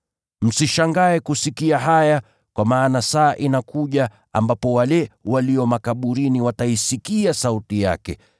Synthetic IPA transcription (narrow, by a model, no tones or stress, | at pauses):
m̩siʃaŋɡaɛkusikiaɦaja | kwamaːnasaːʔinakuʄa | a̰mbapɔwalɛwaliɔmakaɓuɾiniwataisikiasautija̰kɛ̰